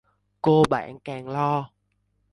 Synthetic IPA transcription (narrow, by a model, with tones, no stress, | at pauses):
ko˧ɓa̰ː˧˩˦nkɛː˨˩ŋlɔ˧